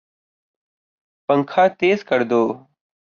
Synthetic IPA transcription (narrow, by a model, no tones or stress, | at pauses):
pəŋkʰaːt̪eːzkəɾd̪oː